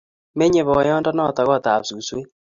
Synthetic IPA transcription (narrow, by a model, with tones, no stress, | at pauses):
me˦ɲe˨βɔ˨jɔ˦ndɔ˦nɔ˦˨t̪a˨ɣɔ˦˨t̪a̰˨psu˨swe˦